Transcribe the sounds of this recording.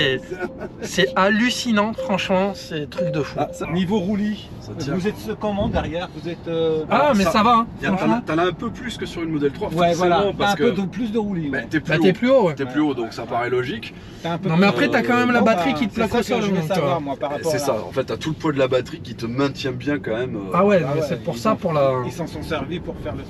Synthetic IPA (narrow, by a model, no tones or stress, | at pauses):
ɛ | sɛalysinɑ̃fχɑ̃ʃmɑ̃sɛt̪χyk̚d̪əfuanivoʁuli | sajɛṽuzɛt̪səkɔmɑ̃d̪ɛʁjɛʁvuzɛt̪øamɛsavãfɑ̃t̪alaɛ̃pøplyskəsyʁynmɔd̪ɛlt̪χwawɛssvwalaɔ̃paɛ̃kød̪plys̬d̪əʁulimɛɛt̪yɛpɛtyɛplyowɛɛlyod̪ɔ̃ksapaʁɛlɔʒik | t̪aɛ̃pøɔ̃mɛaχɛtt̪yakɑ̃mɛmlabat̪χikʲit̪əplɔkɔ̃sɔld̪ɔ̃sakamwapaʁaɔsɛsaɑ̰̃fɛt̪̚ːat̪uləpwad̪əlabat̪χikʲit̪əmɛ̃t̪jɛ̃bjɛ̃kɑ̃mɛmøawɛnɔ̃mɛsɛpuʁsapuʁlaesɑ̃sɑ̃sɛʁvipuʁfɛʁlə